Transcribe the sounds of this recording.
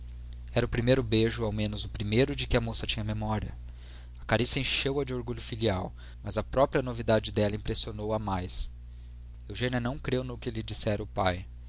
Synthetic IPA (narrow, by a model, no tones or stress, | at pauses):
ɛɾɐʊpɾimejɾʊbeʒʊawmẽnʊzʊpɾimejɾʊd͡ʒɪkɪɐmosɐt͡ʃĩɲɐmemɔɾiɐ | ɐkaɾisiɐẽʃewɐd͡ʒɪoɾɡuʎʊfiliaw | mɐzɐpɾɔpɾiɐnovid̪ad͡ʒɪd̪ɛlɐĩpɾesionowɐmajs | ewʒẽniɐnɐ̃w̃kɾewnʊkɪlɪd͡ʒisɛɾɐʊpaj